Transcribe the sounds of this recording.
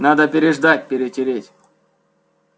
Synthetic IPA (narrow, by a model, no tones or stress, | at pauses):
nad̪əpʲɪɾʲɪʐd̪at̚ʲpʲɪɾʲɪtʲɪɾʲetʲ